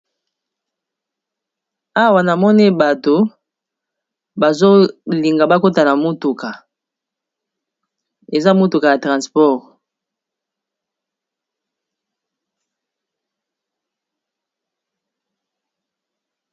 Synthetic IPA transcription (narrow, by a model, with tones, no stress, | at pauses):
a˦wa˨na˨mɔ˦ni˦ba˨to˨ | ba˨zo˦li˨ŋɡa˨ba˦ko˦ta˨la˨mo˦tu˨ka˨ | e˨za˦mo˦tu˨ka˨ja˨tʁã˨nspɔ˦˨ʁ